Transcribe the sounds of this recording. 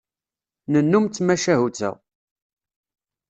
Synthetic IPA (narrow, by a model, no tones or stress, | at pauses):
nənːumt͡sːmæʃæɦut͡sːæ̰ʁ